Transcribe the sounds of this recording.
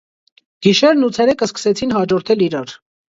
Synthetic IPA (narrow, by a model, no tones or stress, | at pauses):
ɡ̥iʃɛɾnut͡sʰɛɾɛkəskə̥sɛt͡sʰinɦɑd͡ʒɔɾt̪ʰɛliɾɑɾ